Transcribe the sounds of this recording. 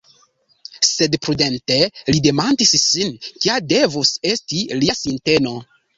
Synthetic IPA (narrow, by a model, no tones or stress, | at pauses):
se̞dpɾude̞nte̞lide̞mandissinkiade̞vuse̞stiliasinte̞no̞